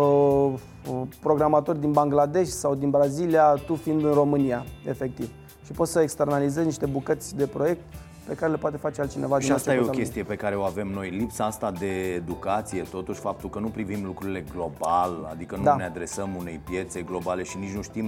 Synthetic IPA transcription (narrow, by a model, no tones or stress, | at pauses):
ə | pɾo̞ɡɾamat̪o̞rʲd̪inbaŋɡlad̪e̞ʃsawd̪inbɾaziliat̪ufind̪ɨnro̞mɨniaefe̞k̚t̪iv | ʃipo̞t̪səekst̪e̞rnalize̞zniʃt̪ebukət̪sʲd̪e̞pɾo̞je̞k̚t̪ | pe̞kaɾe̞le̞poat̪e̞fat͡ʃealt̪t͡ʃine̞vad̪ʃiiasteajeokʲest̪ije̞pe̞kaɾe̞o̞ave̞mno̞jlipsaast̪ad̪e̞ːd̪ukat̪sije̞t̪o̞t̪uʃʲfap̚t̪ulkənupɾivimlukɾuɾile̞ɡlo̞bala̰d̪ikənud̪ane̞ad̪ɾe̞səmune̞̰jpje̞t̪se̞ɡlo̞bale̞ʃinit͡ʃnuʃt̪im